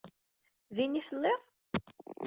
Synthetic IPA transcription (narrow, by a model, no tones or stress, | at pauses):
ðinifəlːeʁ